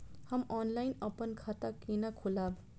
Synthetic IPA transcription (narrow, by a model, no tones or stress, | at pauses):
hamɔnlajnʌpʌnkʰat̪akinakʰulab